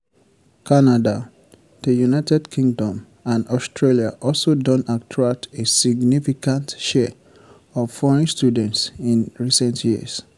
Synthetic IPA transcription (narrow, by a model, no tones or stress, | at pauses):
kʰanada | ð̥əjunaɪtɛdkʰĩŋɡdɔ̃m | ãnɔstɹelia̰ʔɔlsodɔ̃nak̚tʰɹak̚tʰesiɡnifikãntʃɛ | ɔvfɔɹɛ̃nstudɛ̃ntsĩnɹisɛ̃ntʰjiə̰s